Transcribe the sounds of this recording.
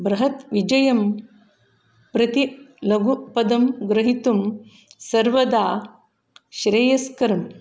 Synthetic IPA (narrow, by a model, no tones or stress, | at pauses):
bɾɐɦɐt̪ʋid͡ʒɐjɐm | pɾɐt̪ilɐɡupɐd̪ɐmɡɾɐɦit̪um | sɐɾʋɐd̪aː | ʃɾeːjɐskɐɾɐm